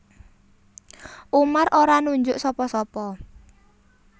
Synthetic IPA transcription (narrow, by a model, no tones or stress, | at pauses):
ʔumarʔoɾanuɲd͡ʒʊʔsɔpɔsɔpɔ